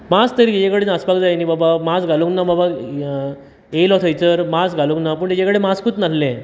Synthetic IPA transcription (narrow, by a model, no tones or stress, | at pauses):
mast̪əɾid͡ʑẽkəɽenaspakd͡zajnibabamasɡʱalũŋnababa | elɔt̪ʰəjt͡səɾmasɡʱaluŋknap̬uːɳt̪d͡ʑẽkəɽemaskut̪nallẽ